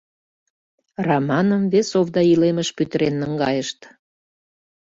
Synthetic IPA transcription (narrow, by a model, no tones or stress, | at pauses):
rɑmɑnəmvesovd̪ɑileməʃpyt̪əɾenːəŋɡɑjəʃt̪